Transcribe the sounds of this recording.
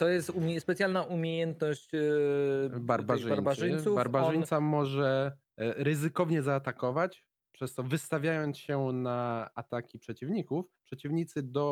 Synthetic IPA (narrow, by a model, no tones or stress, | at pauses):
t̪ɔjɛst̪umʲspɛt̪sjalnaʔumʲjejɛnt̪nɔɕt͡ɕ | baɾbaʐbaɾbaɘjssubaɾbaʐɘɲt̪samɔʐɛ | ɾɘzɘkɔvɲɛzaːt̪akɔvat͡ɕ | pʂɛst̪ɔvɘst̪avʲjajɔnt̪sɕɛnaat̪akʲipʂɛt͡ɕivɲikufpʂɛt͡ɕivɲit̪sɘd̪ɔ